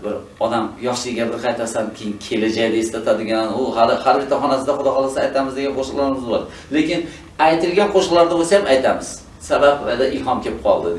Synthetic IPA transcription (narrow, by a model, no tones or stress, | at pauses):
bɪɾ | ɒd̪amjɒχʃɪɡʲabɪɾqʰajt̪ʰasankʲʰejɪnkʲʰe̞lad͡ʒajd̪aest̪at̪ʰad̪ɪɡʲanʊhalɪhaɾbɪt̪ʰːaχɒnasɪd̪aχʊd̪ɒhɒlˠasajt̪ʰamɪzd̪e̞ɡʲanqʰoʃqlaɾɪmɪzbɒ̰ɾ | lekʲɪn | ajt̪ʰɪlɡʲanqʰoʃqlˠaɾd̪abosajamajt̪ʰamɪz̥ | sabapvad̪aʔɪlhɒmkʲepɪ̥p̚qʰɒ̰lˠd̪ɪ